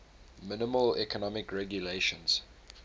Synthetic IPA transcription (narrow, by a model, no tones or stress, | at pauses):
mɪnɪməlɛ̰kʰənɔmɪkɹɛɡjuleʃə̃nz̥